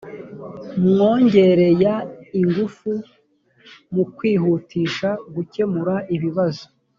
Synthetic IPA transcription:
mŋoːɲɟe̞ɾe̞jaiŋɡufu | mukwiːɦuːtʰiːʃaɡuce̞muɾaʔiβiβazo̥

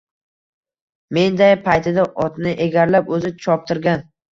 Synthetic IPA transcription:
me̞nd̪ajpʰajt̪ʰɪd̪aʔɒt̪nɪʔeɡʲaɾlapɵzɪt͡ʃʰɒp̚t̪ʰɪɾɡʲan

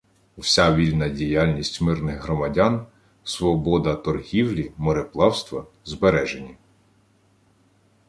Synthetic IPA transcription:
wsʲaʋʲilʲnɐdʲijalʲnʲisʲtʲmɪrnɪɣɦɾɔmɐdʲan | sʋɔbɔd̪ɐt̪ɔrɦʲiwlʲimɔɾeplˠɑwst̪ʋɐ | zbeɾɛʒenʲi

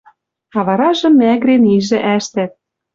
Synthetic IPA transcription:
ɑβɑɾɑʒɤ̆mːæɣɾeniʒɘ̆ʔæʃt̪æt̪̚

